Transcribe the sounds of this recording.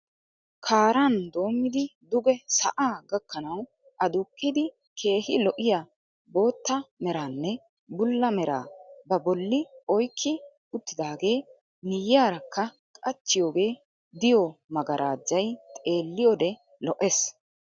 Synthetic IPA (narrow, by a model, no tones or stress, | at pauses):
kʰaːɾand̪o̞ːmːɪd̪ɪd̪ʊɡɛsɐ̰ʔaːɡɐkːɐnɐw | ʔɐd̪ʊkʼːɪd̪ɪ | kʰe̞ːhɪ̰lɔʔɪja | bo̞ːt̪ːɐmɛɾaːnːɛ | bʊlːɐmɛɾa̰ːbɐbɔlːɪɔjkʰːɪ | ʊt̪ːɪd̪aːɡe̞ː | nɪjjaːɾɐkːɐ | kʼɐt͡ʃːɪjo̞ːɡe̞ː | d̪ɪjɔmɐɡɐɾʔaːd͡ʒːɐjt̪ʼe̞ːlːɪjɔd̪ɛ | lɔʔɛs